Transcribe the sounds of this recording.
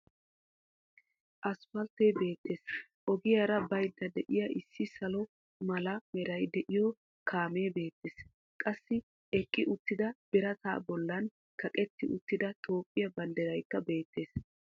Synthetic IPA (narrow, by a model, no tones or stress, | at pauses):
ʔɐspɐlt̪ejbe̞ːt̪ːe̞ːs | ʔɔɡɪjɐɾɐbɐjd̪ːɐd̪ɛʔɪjɐʔɪsːɪsɐlɔ | mɐlɐmɛɾɐjd̪ɛʔɪjɔ | kʰaːmeːbe̞ːt̪ːeːs | kʼɐsːɪ | ɛkʼːɪʔʊt̪ːɪd̪ɐb̥ɛɾɐt̪a̰ːbɔlːɐn | kʰɐkʼɛt̪ːɪʔʊt̪ːɪd̪ɐt̪ʰo̞ːpʼːɪjɐbɐnd̪ɛɾɐjkːɐbe̞ːt̪ːe̞ːs